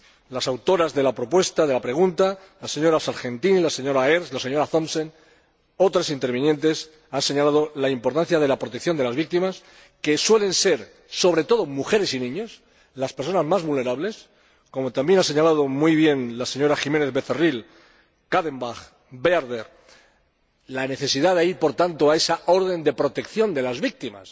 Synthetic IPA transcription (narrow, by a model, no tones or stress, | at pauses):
lasawt̪o̞ɾazðe̞lapɾo̞pwe̞st̪aðe̞lapɾe̞ɣ̞unt̪a | lase̞ɲo̞ɾasaɾxe̞nt̪inilase̞ɲo̞ɾaeɾslase̞ɲoɾaθo̞msen | o̞t̪ɾasint̪e̞ɾβ̞injẽ̞nt̪e̞s | anse̞ɲalað̞o̞laimpo̞ɾt̪anθjað̞e̞lapɾot̪e̞k̚θjo̞nd̪elazβik̚t̪imas | ke̞swe̞le̞nse̞ɾ | so̞βɾe̞t̪o̞ðo̞muxe̞ɾe̞sinĩɲo̞s | laspeɾso̞nazmazβulne̞ɾaβle̞s | ko̞mo̞t̪ambje̞nase̞ɲalað̞o̞mujβ̞je̞nlase̞ɲo̞ɾaxime̞neðβe̞θeril | kaðe̞mbaɣ | be̞aɾðeɾ | lane̞θe̞siðaðeiɾpo̞ɾt̪ant̪oae̞sao̞ɾð̞e̞nd̪e̞pɾo̞t̪e̞kθjo̞nd̪e̞lazβik̚t̪ima̰s